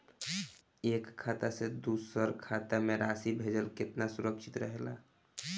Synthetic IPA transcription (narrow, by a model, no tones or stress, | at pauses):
ekʰːat̪ased̪usəɾkʰat̪ameɾasibʱed͡ʒəlkɪt̪nasuɾəkʃʰit̪ɾəɦela̰